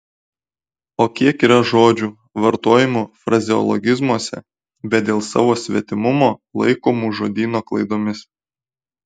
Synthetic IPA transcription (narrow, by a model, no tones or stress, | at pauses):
oːkʲiɛkiːɾɐʒoːd͡ʒʲuː | ʋɐɾt̪oːjɪmuːfɾɐzʲɪɔ̰lˠɔ̰ɡʲɪzmuɔsʲɛ̰ | bʲɛt̪̚d̪ʲeːlˠsɑ̰ːʋoːsʲʋʲɛ̰t̪ʲɪmʊmoːlˠɐ̰ɪkoːmuːʒoːd̪ʲiːnoːklˠɐɪd̪oːmʲɪs